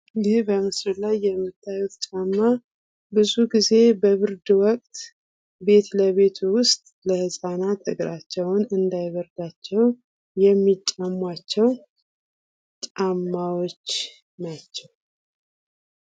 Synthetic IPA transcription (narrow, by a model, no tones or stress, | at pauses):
hbəmɨslɨlajːɛmːɨt̪ʰːajut̪t͡ʃʼamːa | bɨzuɡize̞bəβɨɾd̪ɨwɔkʼt̪ | be̞t̪ləβe̞t̪ʰuwʊst̪ʼləhɨsʼanat̪ʰɨ̰ɡɾat͡ʃːɛwnɨnd̪ajɡəɾd̪at͡ʃːɛw | jɛmːit͡ʃʼamːat͡ʃːɛw | t͡ʃʼamːawot͡ʃː | nat͡ʃːɛw